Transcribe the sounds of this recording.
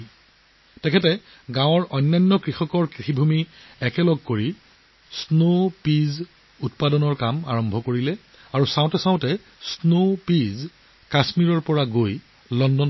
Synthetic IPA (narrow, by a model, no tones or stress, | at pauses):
tɛkʰɛtɛ | ɡãw̃ɔɹʔɔjnːajnːɔkɹixɔkɔɹkɹixibʱumiɛkɛlɔɡ̚koɹi | snopiz | ut̚padɔnɔɹkama̰ɹɔmbʱɔkoɹilɛ | aɹusãʊ̃tɛsãʊ̃tɛ | snopiz | kasmiɹɔɹpɔɹaɡoj | lɔndɔn